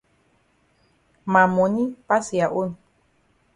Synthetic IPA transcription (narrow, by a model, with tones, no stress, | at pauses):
ma˨mo˨ni˦pa˦si˨ja˨ʔo˦n